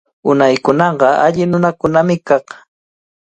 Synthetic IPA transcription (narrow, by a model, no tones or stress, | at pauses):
ʊnajkʊnɑɢɑʔaʎɪnʊnakʊnamɪkɑχ